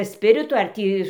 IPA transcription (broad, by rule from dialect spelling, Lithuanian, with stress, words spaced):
ˈsʲpʲɪrʲɪtʊ ɐr ˈtʲiː